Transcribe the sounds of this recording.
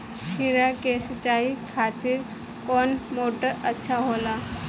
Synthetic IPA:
ʃʰɪɾakesət͡ʃaːikʰaːt̪ɪɾ | kɔːnmoːʈəɾɐtːʃʰaɦoːlaː

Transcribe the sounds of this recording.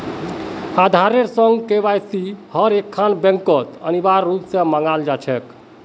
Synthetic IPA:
ad̪ʱaɾeɾsəŋɡkeβajsihəɾekʰːanbɛ̃ŋkət̪ə̰nibaɾːupseməŋɡald͡ʒat͡ʃʰɛk

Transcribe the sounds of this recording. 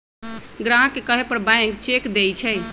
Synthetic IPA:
ɡɾãɦkekəɦepəɾbãŋkt͡ʃekd̪ejt͡ʃʰɛj

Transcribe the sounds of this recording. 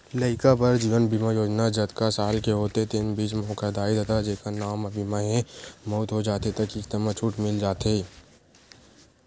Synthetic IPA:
lɐɪkapɐɾd͡ʒiːʋənbimajoːd͡ʒnad͡ʒɐt̪kasaːlkeɦoːt̪et̪ɪnbiːt͡ʃmɔ̃ːkad̪aːid̪ʱɐt̪ad͡ʒeːkanaːmɐbʱimaɦẽmoːt̪ɦod͡ʒaːt̪et̪ɐkikt̪ɐmat͡ʃʰʊʈmɪld͡ʒaːt̪eː

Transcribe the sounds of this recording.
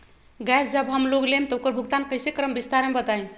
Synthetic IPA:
ɡɛsd͡ʒəbɦəmloɡlemt̪ukəɾbʱuɡt̪ankəjsekɾəmbist̪aɾmebət̪aem

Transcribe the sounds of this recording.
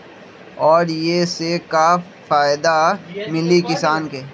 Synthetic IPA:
ɔːɾjeseka | faːɪd̪amɪlikɪsaːnkeː

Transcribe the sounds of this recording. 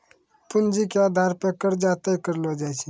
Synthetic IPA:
pʊnd͡ʒikeaːd̪ʱaɾpekəɾd͡ʒat̪əkəɾlod͡ʒajt͡ʃʰi

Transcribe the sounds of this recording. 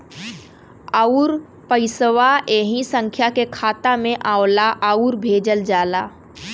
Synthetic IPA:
auɾ | pəɪsʋaʔeɦĩsə̃ŋkʰjakekʰaːt̪amẽʔaːʊlaʔəuɾbʱeːd͡ʒəld͡ʒaːlaː

